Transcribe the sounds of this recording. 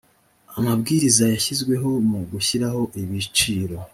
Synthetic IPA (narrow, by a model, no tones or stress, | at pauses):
amabɡiːɾizajaçizɡwe̞ɦo̞muɡuçiɾaho̞ʔiβit͡ʃiːɾo̞